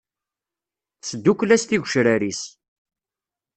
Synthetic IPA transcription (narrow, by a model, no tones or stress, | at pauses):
θsəd̪ːukʷːlæst̪iʝʷʃɾæɾis